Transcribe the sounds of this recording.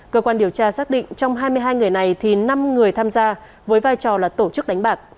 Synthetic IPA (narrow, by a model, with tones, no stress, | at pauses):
kəː˧kwaː˧nɗi˨˩əwt͡ɕaː˧saː˦˥k̚ɗḭ̈˧˨ŋ̟t͡ɕɔ˧wŋ͡mɦaː˧jmɨ˧əjɦaː˧jŋɨ˨˩əjna˨˩jt̪ʰi˨˩na˧mŋɨ˨˩əjt̪ʰaː˧mzaː˧ | vəː˨˦jvaː˧jt͡ɕɔ˨˩laː˨˩t̪o˧˩t͡ɕɨ˦˥k̚ɗa˨˦ŋ̟ɓaː˨˩k̚